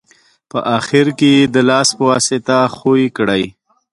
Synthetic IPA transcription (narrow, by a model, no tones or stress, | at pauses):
pə̰ʔɑxɪɾkejed̪əlɑːspəwɑset̪axoikɽaj